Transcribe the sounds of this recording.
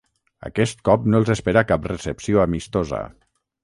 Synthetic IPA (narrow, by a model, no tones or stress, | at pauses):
ə̰kɛst̪̚kɔpnolˠzespeɾakapresəpsioamist̪ozə̰